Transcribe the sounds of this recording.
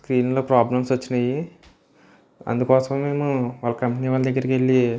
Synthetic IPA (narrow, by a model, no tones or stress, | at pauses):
skɾiːnlo̞ːpɾaːblɐmsot͡ʃːinɐji | ɐ̰nd̪ukɔːsɐmːe̞ːmuʋaːlːɐkɐmpiniːʋaːld̪ɐɡːɐɾɐkelːi